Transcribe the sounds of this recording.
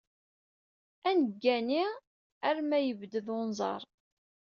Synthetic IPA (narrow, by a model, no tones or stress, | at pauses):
ænəɡːæni | æɾmæjəvd̪əðonzˤɑ̰ɾˤ